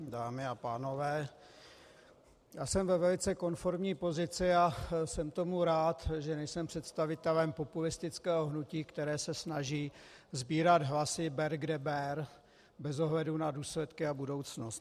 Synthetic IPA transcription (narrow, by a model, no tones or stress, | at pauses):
daːmɪapaːno̞vɛː | jaːsɛmvɛvɛlɪt͡sɛko̞nfo̞ɾmɲiːpo̞zɪt͡sɪasɛmt̪o̞muɾaːt̪ʒɛnɛjsɛmpr̥ɛt̪st̪avɪt̪ɛlɛmpo̞pulɪst̪ɪt͡skɛːɦo̞ɦnuciːkt̪ɛɾɛːsɛsnaʒiːzbiːɾad̪ɦlasɪbɛɾɡdɛbɛɾ | bɛzo̞ɦlɛdunaduːslɛt̪kɪabudo̞wt͡snost̪